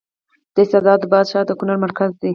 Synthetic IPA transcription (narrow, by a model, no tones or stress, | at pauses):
d̪̥əɪsad̪ɑd̪ːəbɑd̪ʃɑd̪əkʊnaɾmaɾkazd̪i